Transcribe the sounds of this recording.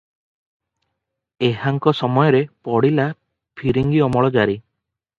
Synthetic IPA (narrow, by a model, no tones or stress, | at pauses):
eɦaŋkɔsɔmɔjɔɾepɔɽila | pʰiɾiŋɡiɔmɔɭɔd͡ʒaɾi